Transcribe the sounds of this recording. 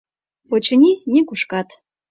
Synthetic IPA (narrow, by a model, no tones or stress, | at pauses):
pot͡ɕə̆nʲinʲekuʃkɑt̪